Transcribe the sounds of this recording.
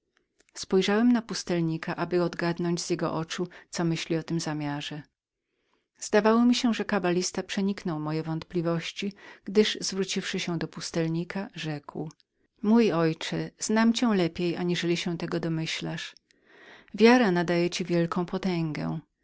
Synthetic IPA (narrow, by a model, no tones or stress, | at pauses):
spɔjʐawɛmnapust̪ɛlɲikaʔabɘɔd̪ɡad̪nɔɲd͡ʑz̥ʲjɛɡɔ̰ʔɔt͡ʂut̪sɔmɘɕlʲiɔt̪ɘmzamʲjaʐɛ | z̥d̪avawɔmʲiɕɛʐɛkabalʲist̪apʂɛɲiknɔwmɔjɛvɔnt̪̚plʲivɔɕt͡ɕiɡ̥d̪ɘʐzvɾut͡ɕifʂɘɕɛd̪ɔpust̪ɛlɲikʰaʐɛkw | mujɔjt͡ʂɛz̥namt͡ɕɛ̃lɛpʲjejaɲiʐɛlʲiɕɛt̪ɛɡɔd̪ɔmɘɕlaʂ | vʲjaɾanad̪ajɛt͡ɕivʲjɛlkɔ̃w̃pɔt̪ɛŋɡɛ̰